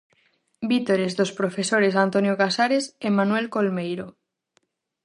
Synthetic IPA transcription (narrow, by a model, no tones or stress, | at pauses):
bit̪oɾezðospɾofesoɾes̬ant̪onjokasaɾesemanuwelkolmejɾo